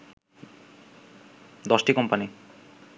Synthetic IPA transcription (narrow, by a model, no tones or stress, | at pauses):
d̪ɔsʈikɔmpani